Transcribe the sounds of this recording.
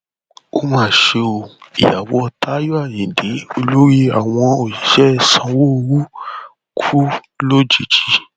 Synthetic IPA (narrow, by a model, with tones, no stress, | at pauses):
o˦mãː˦˨ʃe˧o˧ḭ˨ja˨wɔ˨˧˦ta˦jo˦a˦˨jĩ˨de˨˦o˧lo˦ɾi˦a˨w̃ɔ̃˧o˨i˨ʃɛ˦˧˨sã˧wo˦o˧ɾu˦ | kʰu˦ | lo˦d͡ʒi˨d͡ʒi˧˦